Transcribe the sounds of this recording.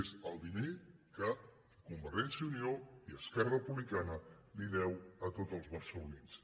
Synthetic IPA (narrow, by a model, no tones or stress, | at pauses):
ezəlˠd̪inekə | kumbəɾʒɛnsiunioiəskɛrərəpuβlikanəliðɛwət̪ot̪əlˠzβərsəluins